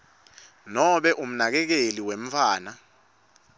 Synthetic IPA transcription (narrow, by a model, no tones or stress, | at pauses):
nɔɓɛʔum̩nak̬ɛk̬eliwem̩fʰaːna